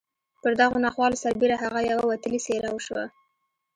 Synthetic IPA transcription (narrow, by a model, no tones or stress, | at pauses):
pəɾd̪aɣonɑxwɑlosaɾbeɾaɦaɣajawawat̪əliseɾawəʃwa̰